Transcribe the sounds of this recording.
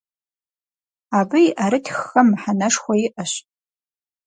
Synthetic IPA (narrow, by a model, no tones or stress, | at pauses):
abɨjʔaɾɨtʰxːɐmħanɐʂxʷɐjiʔɐɕ